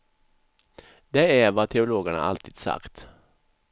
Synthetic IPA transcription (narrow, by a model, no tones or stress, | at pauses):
d̪eːæɾʋɑːt̪ʰɛʊloːɡəɳə̰ʔɑ̰lt̪ʰiːd̪sɑ̰kt̪